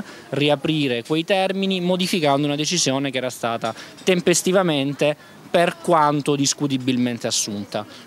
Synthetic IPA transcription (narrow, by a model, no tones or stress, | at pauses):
riapɾiːɾekwejt̪ɛrminimod̪ifikand̪ounad̪et͡ʃizjoːnekeɛːɾast̪aːt̪at̪empest̪ivament̪e | perkwant̪od̪iskut̪̬ibilment̪easːunt̪a